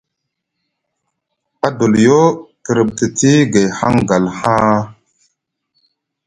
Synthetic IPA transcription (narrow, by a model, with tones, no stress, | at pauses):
a˦do˨ljo˦tə˨ɾə˨ɓ̚tə˨ti˦ɡe˨jha̰˦ŋɡa˨lhã˦